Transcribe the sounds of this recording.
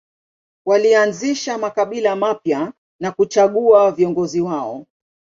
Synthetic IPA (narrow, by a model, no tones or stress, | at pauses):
walianziʃamakaɓilamapja | nakut͡ʃaɠuaviɔŋɡɔziwaɔ̰